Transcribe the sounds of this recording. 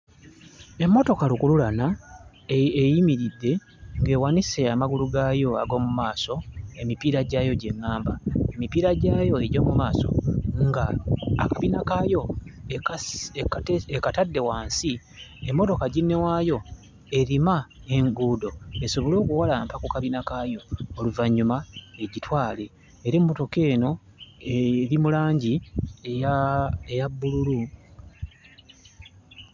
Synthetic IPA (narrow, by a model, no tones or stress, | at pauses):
e̞mːo̞to̞kalukululana | ejimiɾidːe̞ | ŋɡe̞ːwanise̞amaɡuluɡaːjo̞a̰ɡo̞ːmumaːso̞e̞mipiːɾaɟaːjo̞ɟe̞ŋːaːmbae̞mipiːɾaɟaːjo̞e̞ɟo̞ːmumaːso̞̰ŋɡa̰ːkaβinakajo̞ | ekatadːe̞waːnsi | emːo̞to̞kaɟinːe̞waːjo̞ | e̞ɾimae̞ŋɡuːdo̞eso̞βo̞lo̞ːkuwalaːmpakukaβinakaːjo̞ːluvaɲːumae̞ɟitwaːle̞ː | ɾemːo̞to̞ke̞ːno̞ | eɾimulaːɲɟiejaejabːululu